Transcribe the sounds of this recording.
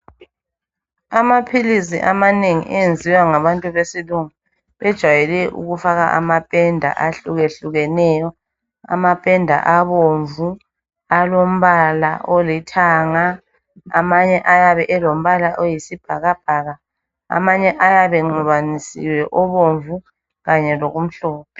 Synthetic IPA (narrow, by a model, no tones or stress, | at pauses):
amapʰilisḭʔamaneŋḭʔɛjend͡zʱiwaŋaβantʼuβesiluŋu | βɛd̥ʒ̥ʱwajɛlɛʔṵɣufaɣa̰ʔa̰mapʼɛndʱa̰ʔaɬuɣeɬuɣɛnɛjɔ | a̰mapʼɛndʱa̰ʔaβoɱvu | alom̩βalaolitʰaːŋa̰ː | maɲɛʔajaβɛʔɛlom̩βalaʔojisib̥ʱaɣab̥ʱaɣa | a̰maɲɛʔajaβɛŋ͡ǃuβanisḭwɛʔɔβoɱvu | ɣaɲɛloɣum̩ɬɔːp̚ʰɛ̥